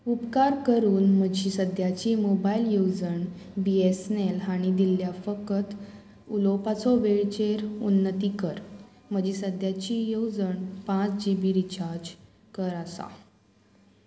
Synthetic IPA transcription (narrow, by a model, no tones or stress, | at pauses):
upkaɾkəɾuːnm̤əd͡ʑisəd̪jat͡ɕimobailjowd͡zəɳ | biesnelaɽ̃id̪ilːjafəkət̪ | ulopat͡sɔʋeɭt͡ɕeɾunːət̪iːkəɾ | m̤əd͡ʑiːsəd̪ʱjat͡ɕijowd͡zəɳpãt͡sd͡ʑibiɾit͡ɕaɾd͡ʑ | kəɾasa̰